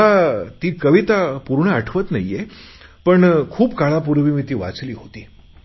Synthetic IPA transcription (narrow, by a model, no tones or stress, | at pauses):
at̪iːkəʋit̪apuɾɳəaʈʰʋət̪na̰je | pəɳkʰuːpkaɭapuɾʋimit̪iːʋa̰t͡sliːɦot̪iː